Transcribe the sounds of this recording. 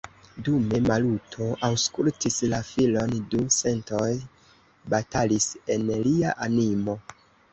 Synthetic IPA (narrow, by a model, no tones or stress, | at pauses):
dume̞malutʰo̞ʔawskultislafilo̞nduse̞nto̞j | batalise̞nliaʔanimo̞